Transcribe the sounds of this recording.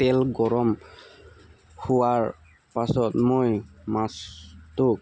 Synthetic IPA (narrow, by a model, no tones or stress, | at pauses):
tɛlɡɔɹɔm | huwaɹ | pasɔtmojmastuk